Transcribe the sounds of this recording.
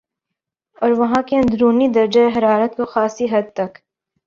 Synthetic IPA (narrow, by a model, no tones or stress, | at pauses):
ɔːɾʋɐɦãkeɐ̃nd̪ɾuːnid̪ɐɾd͡ʒaeɦɐɾaːɾət̪̚koxaːsiɦɐd̪̚t̪ɐk